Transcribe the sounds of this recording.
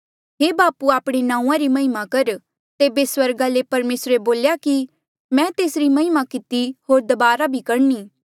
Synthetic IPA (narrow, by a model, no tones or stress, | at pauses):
ɦeːbaːpuaːpɽ̃enãːũːãɾimɐɦɪmakɐɾ | t̪eːbeswɐɾɡalepɐɾmeːsɾeboːljaki | mɛ̃t̪eːsɾimɐɦɪmakɪt̪iɦoːɾd̪ɐbaːɾabʱikɐɾniː